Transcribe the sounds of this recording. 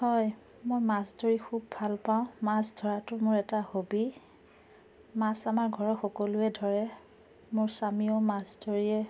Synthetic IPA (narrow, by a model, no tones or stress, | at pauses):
hɔj | mojmasdoɹixubbʱalpaʊ̃masdʱɔɹatʊmʊɹɛtahobi | masamaɹɡʱɔɹɔxɔkolʊɛdʱɔɹɛ | mʊɹsamiomasdʱoɹiɛ